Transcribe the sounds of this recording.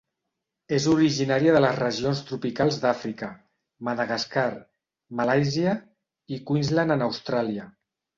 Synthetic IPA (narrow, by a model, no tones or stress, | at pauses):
ezuɾiʒinaɾiəðələzrəʒionst̪ɾupikalˠzd̪afɾikə | məðəɣaskaɾ | malajziə | ikuinzlanənəwst̪ɾaliə